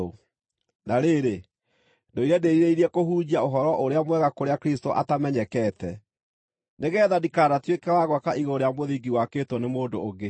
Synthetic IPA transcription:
o | naɾeɾe | doiɾɛdeiɾeiɾɛkoɦuːd͡ʑiaoɦɔɾɔʔoɾeamwɛɣakoɾeakɾistoʔa̰tamɛɲɛkɛtɛ | neɣɛːðadikaːnatwekɛwaɣwakaʔiɣoɾejamoðiɡiwakeːtɔnemoːdoːɡe

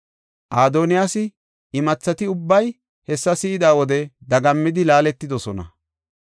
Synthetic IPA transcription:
ʔaːd̪oːnɪjaːsɪ | ɪmɐt͡sːɐt̪ɪʊbːɐj | hɛsːɐsɪɪd̪aːwɔd̪ɛd̪ɐɡɐmːɪd̪ɪlaːlɛt̪ːɪd̪ɔsɔnɐ̰

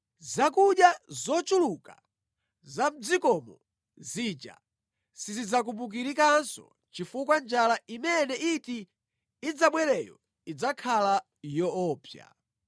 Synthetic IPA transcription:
zakuɗjazɔt͡ʃuluka̰ | zam̩d͡zikɔmɔ | zit͡ʃa̰ | sizid͡zakumbuk̬iɾikansɔ̰ | t͡ʃifukwand͡ʒalaimɛnɛʔitiː | d͡zaɓwɛɾɛjɔ̰ | id͡zakʰala | jɔɔːpʰja̰

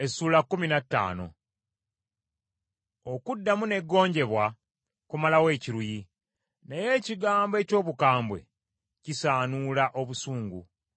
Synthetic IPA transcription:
esuːlakːuminatːa̰ːno̞̰ | okudːamune̞ɡːo̞ːɲɟe̞βwa | kumalawe̞ːciɾuji | neje̞ːciɡaːmboe̞co̞ːβukaːmbwe̞̰ | cisaːnuːlaʔo̞βusuːŋɡṵ

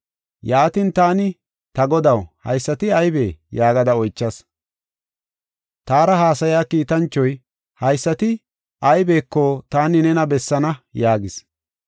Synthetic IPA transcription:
jaːt̪int̪aːnɪ | t̪ɐɡɔd̪ɐwhɐ̰jsːɐt̪ɪɐjbe̞̰ːjaːɡɐd̪ɐɔjt͡ʃːɐs | t̪aːɾɐɦaːsɐjaːkiːt̪ɐnt͡ʃːɔj | hɐjsːɐt̪ɪ | ʔɐjbe̞ːkːɔt̪aːnɪnɛnɐbɛsːɐnɐjaːɡɪs

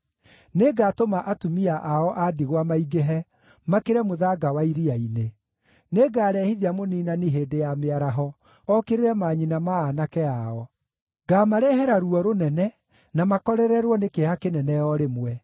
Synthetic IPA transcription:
neɡaːtomaʔatumiaʔaɔʔadiɣwamaiɡeɦɛ | makeɾɛmoðaɡawaiɾiaine | neɡaːɾɛhiðiamoniːnaniɦeːdejameaɾaɦɔ | ɔkeɾeɾɛmaːɲinamaːnakɛaɔ | ɡaːmaɾɛɦɛɾaɾuɔɾonɛnɛ | namakɔɾɛɾɛɾwɔnekehakenɛnɛɔɾemwɛ

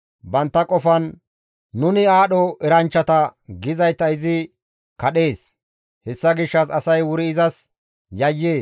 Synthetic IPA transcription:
bɐnt̪ːɐkʼɔfɐnː | ʊnɪaːɗɔʔɛɾɐnt͡ʃːɐt̪ɐɡɪzɐjt̪ːɐɪzɪ | kɐɗe̞ːs | hɛsːɐɡɪʃːɐsɐsɐjwʊɾɪɪzɐs | jɐjːeː

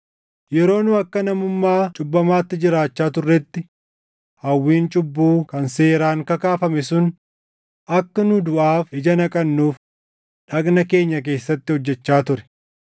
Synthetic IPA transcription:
jɛɾo̞ːnʊɐkːɐnɐmʊmːaːt͡ʃʼʊbːɐmaːt̪ːɪd͡ʒɪɾaːt͡ʃːaːt̪ʊrːɛt̪ːɪ | hɐwːiːnt͡ʃʼʊbːuːkɐnse̞ːɾaːŋkɐkaːfɐmɛsʊn | ʔɐkːɐnʊd̪ʊʔaːfɪd͡ʒɐnɐkʼɐnːuːf | ᶑɐkʼnɐke̞ːɲːɐk̬e̞ːsːɐt̪ːɪhɔd͡ʒːɛt͡ʃːaːt̪ʊɾɛ̥

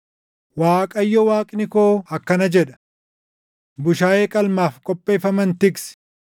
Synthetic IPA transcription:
waːkʼɐjːɔwaːkʼnɪkoːɐkːɐnɐd͡ʒɛᶑɐ̥ | bʊʃaːjeːkʼɐlmaːfkʼɔpʼːe̞ːfɐmɐnt̪ɪks

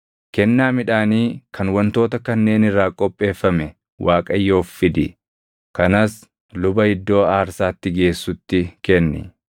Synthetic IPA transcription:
kɛnːaːmɪᶑaːniːkʰɐnwɐnt̪o̞ːt̪ɐkɐnːe̞ːnɪrːaːkʼɔpʼːe̞ːfːɐmɛ | wʔaːkʼɐjːo̞ːfːɪd̪ɪ̰ | kɐnɐs | lʊbɐɪd̪ːo̞ːaːɾsaːt̪ːɪɡe̞ːsːʊt̪ːɪkɛnːɪ̰

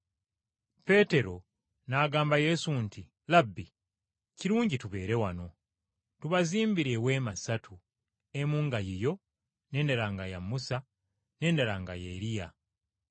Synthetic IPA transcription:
pe̞ːte̞ɾo̞ | naːɡaːmbaje̞suntʰi | labːi | ciɾuːɲɟituβe̞ːɾe̞wano̞ | tuβaziːmbiɾe̞we̞ːmasatʰu | emuːŋɡajijo̞ | ne̞ːndeɾaːŋɡajamusa | ne̞ːndeɾaːŋɡa̰jḛɾija

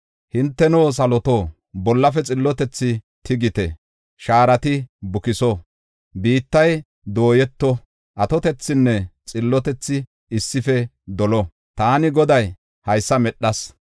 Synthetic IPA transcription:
hɪnt̪ːɛnoːs̬ɐlɔt̪oː | bɔlːɐfɛt͡sʼɪlːɔt̪ɛt͡sːɪ | t̪ʰɪɡɪt̪ɛ̰ | ʃaːɾɐt̪ɪbʊkɪsɔ | biːt̪ːɐj | d̪o̞ːjɛt̪ːɔ | ʔɐt̪ɔt̪ɛt͡sːɪnːɛt͡sʼɪlːɔt̪ɛt͡sːɪ | ɪsːɪfɛ | d̪ɔlɔ | t̪aːnɪɡɔd̪ɐj | hɐjsːɐmɛɗːɐs

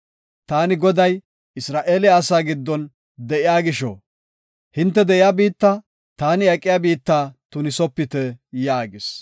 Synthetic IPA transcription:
t̪aːnɪɡɔd̪ɐj | ɪsɾaːʔeːlɪaːsaːɡɪd̪ːɔn | d̪ɛʔɪjaːɡɪʃɔ̰ | hɪnt̪ːɛd̪ɛʔɪjabiːt̪ːɐ | t̪aːnɪɐkʼːɪjabiːt̪ːaːt̪ʊnɪsɔpːɪt̪ɛjaːɡɪs

